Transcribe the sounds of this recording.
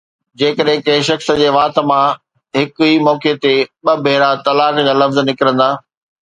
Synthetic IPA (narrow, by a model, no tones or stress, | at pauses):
d͡ʑeːkəɗɦɪ̃kɐʃɐxsd͡ʑeːʋaːt̪ə̆mã | ɦɪkimɔːket̪eɓɐbʱeːɾat̪ɐlaːkd͡ʑaːlɐfzənɪkɪɾə̃nd̪aː